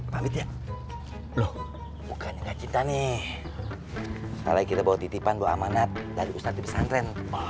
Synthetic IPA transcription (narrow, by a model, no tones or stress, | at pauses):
pamit̪ja | lɔh | bukʰanɲaŋɡaʔt͡ʃint̪ani | ka̰laikit̪abawat̪it̪ipanbawaa̰manat̪̚daɾiust̪at̪ːibəsanɾɛn